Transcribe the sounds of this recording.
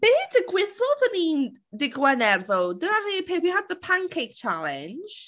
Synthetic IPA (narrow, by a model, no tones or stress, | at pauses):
b̥eːdəɡwɪθɔðəniːn | dɪɡwɛnɛrðodənaɾiːpʰeːwiɦad̪̚ðəpʰaŋkʰejk̚t͡ʃʰalˠɪn̥d͡ʒ̥